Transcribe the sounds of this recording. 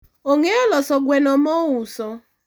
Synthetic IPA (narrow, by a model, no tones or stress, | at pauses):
oŋelɔsɔɡʷenɔmɔwusɔ